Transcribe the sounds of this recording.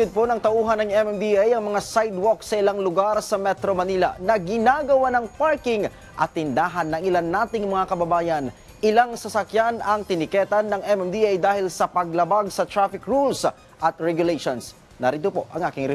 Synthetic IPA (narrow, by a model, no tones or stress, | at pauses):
ʊd̪̚ponɐŋt̪ɐʔuːɦɐnːɐŋɛmɛmd̪iajɐŋmɐŋasajd̪woksɐʔɪlaŋlʊɡaɾsɐmɛt̪ɾomɐnilɐ̰nɐɡɪnaɡɐwanɐŋpaɹkɪŋ | ʔɐt̪ːɪnd̪aːɦɐnːɐŋɪlanːaːt̪ɪŋmɐŋakɐbɐbaːjɐn | ʔɪlaŋsɐsɐkjanɐŋt̪ɪnɪkɛːt̪anːɐŋʔɛmɛmd̪iajd̪aːhɪlsɐpɐɡlɐbaɡsɐt̪ɾafɪkɹuls | ʔɐt̪̚ɹɛɡjʊlejʃons | nɐɾiːt̪opo̞ʔɐ̰ŋʔaːkɪŋɾɛ